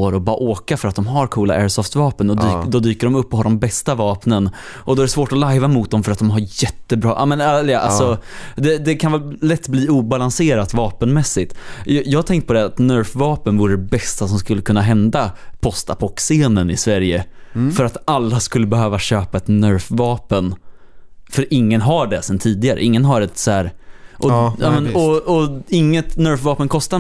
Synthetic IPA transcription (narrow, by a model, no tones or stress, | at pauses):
oɾɔbʔoːkafœɾat̪̚d̪ɔmɦaɾkʰuːla̰ʔɛːɾsɔft̪vɑːpənɔd̪ːd̪ɔd̪yːkəɖɔmɵpːɔɦaɾɖɔmbɛst̪avɑːpnən | ʔɔd̪ɔæɾɛsvoːʈɔlaɪvamʊt̪̚d̪ɔmfœɾat̪̚d̪ɔmɦaɾjɛt̪ːəbɾɑ̰ːʔaːmɛnallɛʔa̰lsɔd̪ɛd̪ɛkʰanvɑːlɛt̪ːbliːuːbalanseːɾat̪vɑːpənmɛsːɪt̪jɑːhat̪ʰɛŋkt̪pɔd̪ɛat̪nœɾfvɑːpənvuːɾəɖ̪ɛbɛst̪asɔmskɵlːəkʰɵnːaɦɛnd̪apʰɔst̪a̰pʰɔkseːnənɪsvæɾjəfœɾat̪alːaskɵlːəbɛɦøːvaɕøːpaɛt̪nœɾfvɑːpən | fœɾʔɪŋːənɦaɖɛsɛnt̪ʰiːd̪ɪɡaɾə̰ʔɪŋːənɦaɾɛt̪sɔæːɾʔɔjɑːmɛnɔɔɪŋːət̪nœɾfvɑːpənkʰɔst̪a